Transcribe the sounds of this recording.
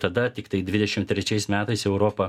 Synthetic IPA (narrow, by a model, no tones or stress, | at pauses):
t̪ɐd̪ɐt̪ʲɪkt̪ɐɪd̪ʲʋʲɪd̪ʲɛʃʲɪmt̪ʲɾʲɛt͡ʃʲɛɪsmʲæːt̪ɐɪsɛʊɾoːpɐ